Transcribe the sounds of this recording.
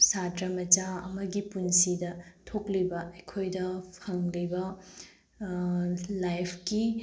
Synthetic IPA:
satɾɐmɐd͡ʒaɐ̰mɐɡipunsidɐtʰoklibɐɐjkʰojdɐpʰɐŋlibɐ | lajpʰki

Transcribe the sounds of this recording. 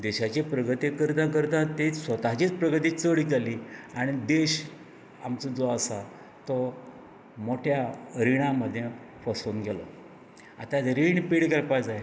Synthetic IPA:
d̪eɕat͡ɕepɾəɡət̪ikəɾd̪ãkəɾd̪ãt̪esət̪aɦt͡ɕiːt͡spɾəɡət̪iːt͡səɽid͡zʱaliaɽ̃id̪eɕ | a̰mt͡səd͡zɔəsa | t̪ɔ | moʈʰjaɾiɽ̃aməd̪ʱːje | fəsonɡelɔ̰ | a̰t̪at̪ɾiɳpiɽkəɾpad͡zaje

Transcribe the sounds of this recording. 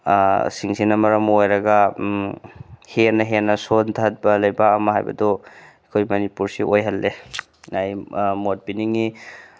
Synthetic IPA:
siŋsinɐmɐɾɐmojɾɐɡa | henɐɦenɐsont̪ʰat̚bɐlɐjbaːmɐɦa̰jbɐ̰dɔ | kʰojmɐnipuɾsiʔojɦɐlːe | najmot̚piniŋi

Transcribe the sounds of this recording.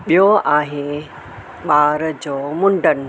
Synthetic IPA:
ɓijoaːɦe | ɓaːɾd͡ʑoːmʊɳɖʱən

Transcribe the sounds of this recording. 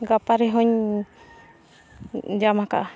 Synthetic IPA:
ɡapaɾɛɦɔɲ | d͡ʒamaka̰

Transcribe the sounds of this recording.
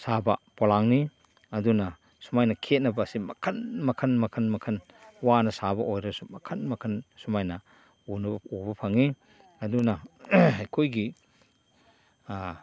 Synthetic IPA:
sabɐ̰polaŋni | ɐdunɐ | sumajnɐkʰet̚nɐbɐːsimɐkʰɐnmɐkʰɐnmɐkʰɐnmɐkʰɐn | wanɐsabɐʔojɾɐsumɐkʰɐnmɐkʰɐnsumajnɐ | unɐbɐubɐpʰɐŋi | ɐdunɐajkʰojɡi

